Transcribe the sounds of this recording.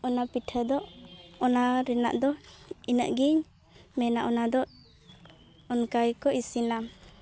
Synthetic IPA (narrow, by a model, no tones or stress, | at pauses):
ɔnapiʈʰəd̪ɔʔɔnaɾɛna̰ʔd̪ɔinəʔɡiɲ | mɛnaʔɔnad̪ɔʔ | ɔnkajkɔʔisina